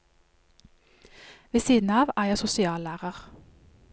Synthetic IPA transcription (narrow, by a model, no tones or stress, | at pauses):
ʋeːsiːd̪n̩ɑːʋæːjæɪsʊsɪɑːlæːʁəʁ